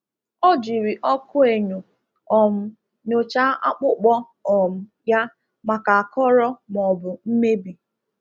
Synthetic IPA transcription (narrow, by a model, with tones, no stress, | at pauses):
ɔ˦d͡ʒi˨ɾi˨ʔɔ˦kʊ˦e˨ɲo˨ | ɔ˨m̩˦ | no˨t͡ʃa˦ʔa˦k͡pʊ˦k͡pɔ˦ | ɔ˨m̩˨ | ja˦ | ma˨ka˨a˨kɔ˦ɾɔ˦m˨ɔ˨bʊ˨m̩˦me˦bi˨